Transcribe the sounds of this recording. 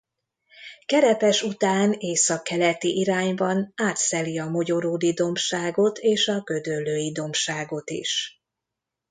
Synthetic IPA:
kɛɾɛpɛʃut̪aːneːsɒkːɛlɛt̪iʔiɾaːɲbɒnaːt̪sɛliɒmo̞ɟo̞ɾoːd̪id̪o̞mʃaːɡo̞t̪ʰeːʃɒɡø̞d̪ølːøːjid̪o̞mʃaːɡo̞t̪ḭʃ

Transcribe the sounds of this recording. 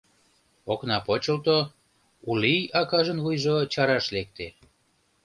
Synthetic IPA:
oknɑpot͡ɕəlt̪o | uliɑkɑʒənvujʒot͡ɕɑɾɑʃlek̚t̪e

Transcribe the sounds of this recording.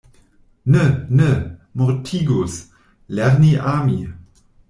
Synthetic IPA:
nənəmɔʁtʰiːɡus | lɛʁniʔaːmi

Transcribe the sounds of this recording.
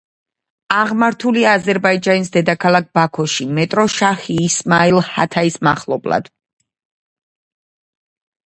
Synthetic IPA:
aʁmaɾt̪ʰuliaːzɛɾbaid͡ʒanisd̪ɛd̪akʰalˠak̚b̥akʰɔʃimɛt̪ʼɾɔʃaχiːsmailˠha̰t̪ʰaismaχlˠɔblˠa̰d̪̥

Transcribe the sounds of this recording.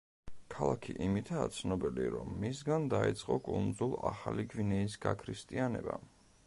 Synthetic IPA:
kʰalˠakʰiʔimit̪ʰat̪sʰnɔbiliɾɔmːisɡand̪ait̪sʼqʼɔkʼund̪zulˠaχaliɡvinɛis̬ɡakʰɾist̪ʼianɛba

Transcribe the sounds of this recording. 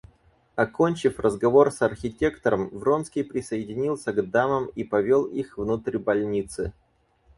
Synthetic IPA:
ɐko̞nʲt͡ɕɪfrəzɡɐvo̞rsɐrxʲɪtʲe̞kt̪əɾəmvro̞nskʲɪjpɾʲɪsəjɪdʲɪnʲilˠsʲəɡd̪aməmipɐvʲolˠixvnut̪ɾʲbɐlʲnʲit̪sɨ̰

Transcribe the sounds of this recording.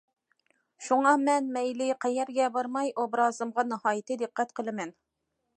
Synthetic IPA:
ʃuŋɑmɛnmɛjlɪqʰɛjɛɾɡʲɛbɑɾmɑjʔobɾɑːzɨmʁɑnɨhɑːjɪt̪ɨd̪ɨqːɛt̪qʰəlˠɨmɛn

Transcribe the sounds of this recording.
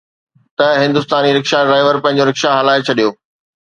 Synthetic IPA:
t̪ɐɦɪ̃nd̪ʊst̪aːniɾɐkʃaɖɾaːɪʋəɾpɐ̃ɦɪ̃ɲ̆d͡ʑoɾɪkʃaɦɐlaːet͡ɕʰɐɗijoː

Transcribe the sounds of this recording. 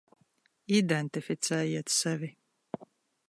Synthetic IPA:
id̪ɛnt̪ifit͡sʰæːjiɛt̪sɛvi

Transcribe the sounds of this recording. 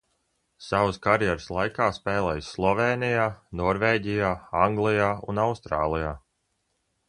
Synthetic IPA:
savskaɾjɛɾslˠajkaːspɛːlˠɛjsːlˠɔveːnijaːnɔɾveːɟijaːaŋɡlˠijaːṵnawst̪ɾaːlˠijaː

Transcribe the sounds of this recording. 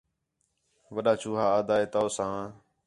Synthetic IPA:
ʋəɗaːt͡ʃuːɦaːaːd̪aːeːt̪aːsãː

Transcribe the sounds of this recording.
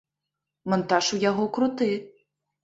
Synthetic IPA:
mɔnt̪aʂujaɣɔkɾut̪ɨ

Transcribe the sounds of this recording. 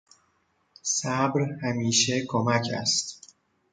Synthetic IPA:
sæbɾhæmiːʃe̞kʰomæcʰæ̰st̪

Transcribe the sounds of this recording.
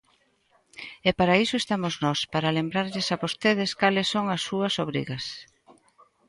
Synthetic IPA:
ɛpaɾaisoest̪amoznɔspaɾɐlembɾaɾʎesaβost̪eðɪskalɪsːoŋɐsːuɐsoβɾḭɣɐs

